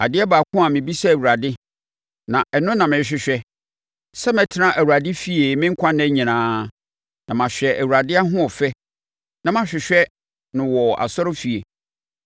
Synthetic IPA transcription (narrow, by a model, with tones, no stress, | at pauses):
a̰˨dɪ˦ɛ˦baː˨kʰʊ̃˦a˨mɪ̃˨bi˦sɛ˦æ˨wu˨ɾa˨dɪ˦ | nã˨ʔɛ˨nʊ̃˦nã˨mɪ̃˨˦ɕᶣɪ˦ɕᶣɛ˦ | sɛ˦mɛ̃˨tʰɪ˦nã˦ʔæ˨wu˨ɾa˨dɪ˦fi˨e˨mɪ̃˦ŋ̩˦kʷʰã˦nɛ̃˦ɲĩ˨nãː˦ | nã˨mã˨ɕᶣɛ˨ʔæ˨wu˨ɾa˨dɪ˦a˦ɦʊ̃˦ɔ˨fɛ˦ | nã˨mã˨ɕᶣɪ˨ɕᶣɛ˦ | nʊ̃˨wɔ˨a̰˨sɔ˦ɾʊ˦fi˨e˨